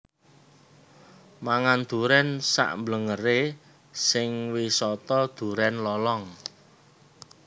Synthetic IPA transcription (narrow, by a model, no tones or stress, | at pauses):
maŋand̪̥ṳɾɛnsa̰ʔmbləŋəre | sɪŋwisɔt̪ɔd̪̥ṳɾɛnlɔlɔŋ